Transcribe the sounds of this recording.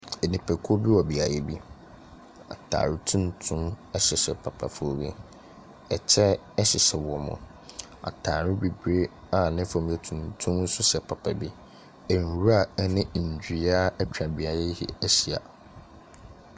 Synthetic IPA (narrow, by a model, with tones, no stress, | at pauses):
ɛ˨nĩ˨pʰɛ˨kʰo˦bi˦wɔ˨bi˨a˨ɾe˦bi˦ | a̰˨tʰa̰ː˨ɾɪ˦tʰũ˦n˦tʰʊ̃˦mɛ˦ɕɪ˨sɛ˨pʰa˨pʰa˨fʊ˦o˨ɥḛ˦ | ɛ˨t͡ɕʰɛ˦ | ɛ˦ɕɪ˨sɛ˨wɔ˨mʊ̰̃˨ | a̰˨tʰaː˨ɾɪ˦bi˨bɾe˦ | a˨nɪ̃˦fã˨m̃˨˦ɛ˨tʰũ˨ntʰʊ̃˦mn̩˦sʊ˦ɕɛ˨pʰa˨pʰa˨bi˦ | ɛ˨n˨ɾu˦a˦˨˦nɪ̃˦˨d͡ʑᶣi˦a˦ɛ˦t͡ɕᶣã˨bi˨a˨ɾɛ˦hḭ˨æ˦ɕi˨a̰˨